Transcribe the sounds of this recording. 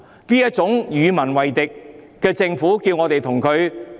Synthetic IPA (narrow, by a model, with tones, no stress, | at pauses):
liː˥jɐ˥t̚t͡ʃʊ˨˥ŋjyː˨˧mɐ˨˩nwɐ˨jt̪ɪ˨kː | ɛː˧t͡sɪ˧ŋfuː˨˥kiː˧wŋɔː˨˧t̪e˨jt̪ʰʊ˨˩ŋkʰɵ˨˧ɥ